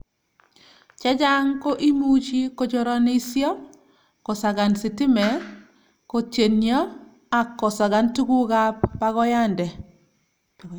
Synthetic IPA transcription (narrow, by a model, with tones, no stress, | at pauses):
t͡ʃɛ˦d͡ʒa˦ŋko˦ʔi˦mu˦t͡ʃi˦ko˨d͡ʒɔ˨ɾɔ˦ni˦sjɔ˦ | kɔ˨sa˨ɡa˨nsɪ˨tɪ˦mɛ˨ | ko˨t͡ʃe˨njɔ˦ | a˨kːɔ˨sa˨ɡa˦ntu˦ɡu˦ɡa˦pːa˦ɣɔ˦ja˦ndɛ˨